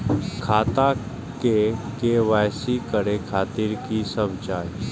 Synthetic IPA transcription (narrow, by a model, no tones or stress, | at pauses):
kʰaːt̪a | kekeʋajsikəɽekʰaːt̪iːɾkisəbd͡ʒaːj